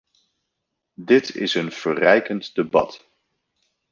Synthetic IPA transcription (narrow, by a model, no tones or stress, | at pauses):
dɪtɪ̰sənv̥ərɛjkəntdəbɑ̰t